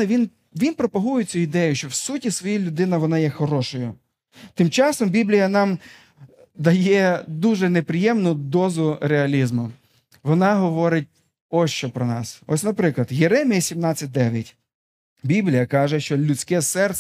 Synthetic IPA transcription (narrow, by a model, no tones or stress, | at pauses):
ɛʋʲin | ʋʲinpɾɔpɐɦujɪt͡sʲuid̪ɛjʊʃt͡ʃɔwsutʲisʋɔjilʲʊd̪ɪnɐʋɔnɑjɛxɔɾɔʃɔjʊ | t̪ɪmt͡ʃɑsɔmbʲiblʲijɐnɑm | d̪ɐjɛd̪uʒɛnepɾɪjɛmnʊd̪ɔzʊɾeɐlʲizmʊ | ʋɔnɑɦɔʋɔɾɪt̚ʲ | ɔst͡ʃɔpɾɔnɑsɔsʲnɐpɾɪklˠɐd̪jeɾɛmʲijɐsʲimnɑt͡sʲːɐt̚ʲd̪ɛʋʲjɐtʲ | bʲiblʲijɐkɑʒɛʃt͡ʃɔlʲʊt͡sʲkɛsɛr